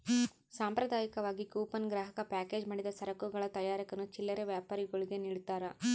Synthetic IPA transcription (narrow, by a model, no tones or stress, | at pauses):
saːmpɾɐd̪ʱaːjɐkɐʋaːɡikuːpɐnɡɾaːɦɐkɐpaːke̞ːd͡ʒmɐːɽid̪ɐsɐɾɐkuɡɐɭɐt̪ɐjaːɾɐkɐnut͡ʃilːɐɾeʋjaːpaːɾiɡɐɭiɡeniːɭit̪ːaːɾɐ